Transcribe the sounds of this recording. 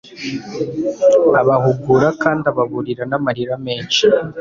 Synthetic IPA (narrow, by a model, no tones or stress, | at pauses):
aβahuɡuɾakaːndaβaβuɾiɾanamaɾiɾame̞ːnʃi